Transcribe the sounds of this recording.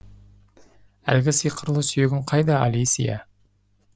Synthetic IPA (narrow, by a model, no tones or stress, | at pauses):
æ̰lɡʲɪsijqʰəɾlˠəsʏjeɡʲɪɴqʰɑjd̪ɑ̰ːlijsḭjɑ̰